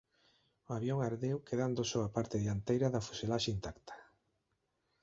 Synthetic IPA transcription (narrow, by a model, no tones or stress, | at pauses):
oaβjoŋaɾðewkeðand̪osoapaɾt̪eðiant̪ejɾɐðɐfuselaʃeint̪akt̪ḁ